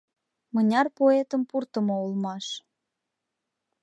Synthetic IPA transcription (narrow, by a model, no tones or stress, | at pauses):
mənʲɑrpoet̪əmpurt̪ə̆moulmɑʃ